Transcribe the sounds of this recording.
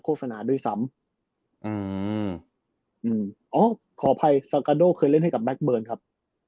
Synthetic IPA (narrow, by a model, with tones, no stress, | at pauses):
kʰoː˥˩t̚sa˧naː˩˦du˧˩˨jsa˩˦m | ʔɯː˧˩ | ʔɯː˧mʔɔː˦˥ | kʰɔː˩˦pʰa˧jsa˧kaː˧doː˥˩kʰɤː˧jle˥˩nɦa˥˩jka˨˩blɛ˦˥k̚bɤː˧nkʰa˦˥p̚